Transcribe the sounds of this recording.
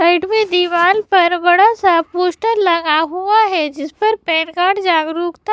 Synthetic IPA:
saɪʈmẽd̪iʋaːlpɐɾbɐɽasapoːʃʈəɾlɐɡaɦuaɦɛd͡ʒɪspɐɾpɛːnkaːɽd͡ʒaːɡɾuːkt̪a

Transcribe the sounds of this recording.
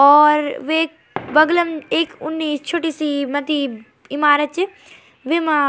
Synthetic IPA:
ɔːɾʋeːk̚ | bɐɡləmeːkʊnːiːst͡ʃʰoːʈiːsimɐt̪i | ɪmaːɾət̪̚t͡ʃ | ʋemã

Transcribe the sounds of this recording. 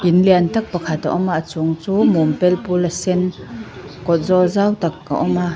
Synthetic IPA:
ʔinliant̪ak̚pakʰat̪a̰ʔɔmaʔt͡suŋt͡suːmɔmpɛlpulasɛn | kɔt̪̚zɔzawt̪ak̚ʔa̰ʔɔma

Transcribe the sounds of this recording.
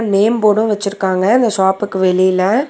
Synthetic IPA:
neːmpoːɽɯ̃ʋɛt͡ʃːɪɾɯkːaːŋɡɐɪnd̪ɐʂaːpɯkːɯʋɛɭɪjɪlɐ

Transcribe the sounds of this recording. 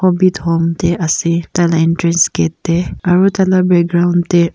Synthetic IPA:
ɔbithomtɛasit̪alaĩntɹɛnskɛtːɛaɹutalabɛɡɾaw̃ndtɛ

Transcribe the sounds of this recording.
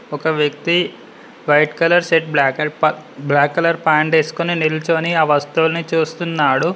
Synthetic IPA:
ɔkɐʋjɐk̚t̪i | ʋɐjʈkɐlɐɾseʈ̚bɐblaːkːɐlɐɾpaːɳɖeːsu̥koniniɾlt͡ʃoniɐʋɐst̪uʋlɐnit͡ʃuːst̪unːaːɽu

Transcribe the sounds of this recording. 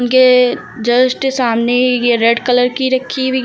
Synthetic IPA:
ʊnke | d͡ʒɐsʈesaːmnejeɾeːɖkələɾkiɾɐkʰːibʱi

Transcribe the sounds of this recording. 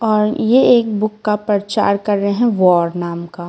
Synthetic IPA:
ɔːɾjeeːkbʊkːapɾɐɾt͡ʃa̰ːɾkɐɾːɐeɦɛ̃ʋɔːɾnaːmkaː

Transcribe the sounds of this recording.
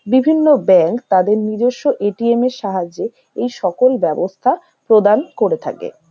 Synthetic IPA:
bibʱinːobɛŋkt̪ad̪eɾnid͡ʑoʃːoʔeʈiemeɾʃaɦad͡ʑːe | ejʃɔkolbɛbost̪ʰa | pɾod̪ankoɾet̪ʰa̰kḛ

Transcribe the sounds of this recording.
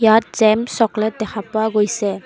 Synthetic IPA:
jat̚z̥ɛmsɔklɛt̚dɛxʰapʊaɡojsɛ

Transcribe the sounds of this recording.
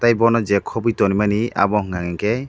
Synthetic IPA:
t̪ajbɔnɔd͡ʒɛkʰːɔbujtɔnimania̰bɔɦŋɡaŋɛŋkɛ

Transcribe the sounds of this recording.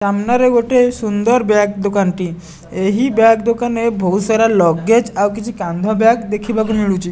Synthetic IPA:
samnaɾeɡoʈʰesund̪əɾbjak̚d̪ukanʈ̪i | eɦibjakd̪ukanebʱɔwsəɾalɔɡed͡ʑawk̬it͡ɕʰikãnd̪ʱɔbjakd̪ekʰibakumiɭut͡ɕi

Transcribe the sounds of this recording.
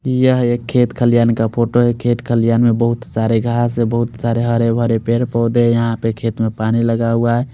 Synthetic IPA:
jəɦekʰːet̪kʰəlijankapʰoʈoekʰet̪kʰəlijanmebəɦut̪saɾeɡʱaːsebəɦʊt̪saɾeɦəɾebʱəɾepeɾpɔːd̪ejəɦãpekʰet̪mepaniləɡauae

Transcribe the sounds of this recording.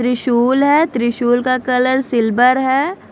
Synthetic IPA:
t̪ɾɪʃuːlɦɛːt̪ɾɪʃuːlkakɐləɾsɪlbəɾɦɛː

